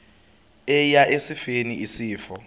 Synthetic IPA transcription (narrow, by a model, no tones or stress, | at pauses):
ɛjaʔesifeniisiːfɔ